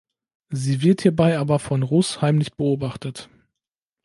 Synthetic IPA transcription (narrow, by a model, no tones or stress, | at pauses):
ziːvɪɐthiːɐbaɪʔaːbɐfɔnʁʊshaɪmlɪçb̥əoːbaχtət